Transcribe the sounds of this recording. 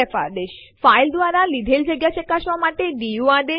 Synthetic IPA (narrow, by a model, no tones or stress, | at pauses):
ɛfa̰d̪eʃ | faild̪ʋaɾalid̪ʱeld͡ʒəɡjaʃekaʃʋamaʈeɖijuaɖ̪e